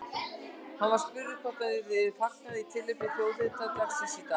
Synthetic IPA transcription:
hanvaɾ̥spʏɾːɪkʰɔt̪aðɪɾvɪðfahkaðɪit̪ʰɪlːʏpɪfjoːwðɪt̪at̪aksisika

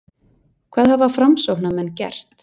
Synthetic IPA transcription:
kʰvɛːðhaðvḁfɾamsowhnamɛnːcɛ̰r̥t̪

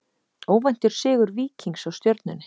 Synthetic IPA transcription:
oːwvɛjn̥t̪ʏɾ̥sɪːɣʏɾviːciŋksawst̪jœɾt̪̚nʏnɪ̥

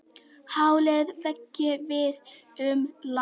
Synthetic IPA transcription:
hawlɛɣðvɛcːɪvɪð | ʏmla

